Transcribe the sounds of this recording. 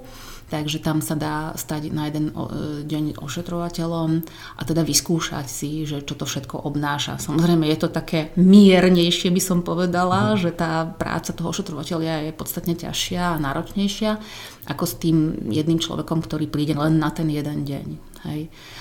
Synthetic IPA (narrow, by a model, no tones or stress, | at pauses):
t̪aɡʒɛt̪amsad̪aːst̪aɟnajɛd̪ɛnɔ̰ɟɛɲɔ̰ʃɛt̪ɾɔʋacɛʎɔm | ʔa̰t̪ɛd̪aʋiskuːʃa̰csiʒɛt͡ʃɔt̪ɔfʃɛt̪kɔ̰ʔɔbnaːʃa̰samɔzɾɛɪmɛjɛt̪ɔt̪akɛːmiɛɾɲɛjʃɪɛbisɔmpɔʋɛd̪alaʒɛt̪aːpɾa̰ːt͡sat̪ɔɦɔʔɔʃɛt̪ɾɔʋacɛʎɪajɛpɔt̪st̪at̪ɲɛca̰ʃɪaːnaːɾɔt͡ʃɲɛjʃɪa | ʔakɔst̪iːmjɛd̪niːmt͡ʃlɔ̰ʋɛkɔmkt̪ɔɾiːpɾiːɟɛlɛnːat̪ɛnjɛd̪ɛnɟɛ̰ɲ | hɛ̰j